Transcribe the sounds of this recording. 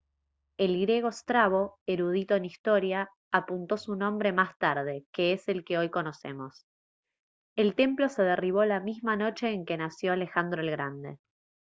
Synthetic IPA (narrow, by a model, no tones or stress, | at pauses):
elɣɾje̞ɣ̞o̞st̪ɾaβo̞eɾuð̞it̪o̞enist̪o̞ɾjaː | punt̪o̞sunõmbɾe̞mast̪aɾð̞e̞ke̞ese̞lke̞o̞jko̞no̞se̞̰mo̞s | elt̪e̞mplo̞se̞ð̞eriβ̞o̞lamizmano̞t͡ʃe̞ːŋke̞nasjoale̞xand̪ɾoelɣɾand̪e̞̰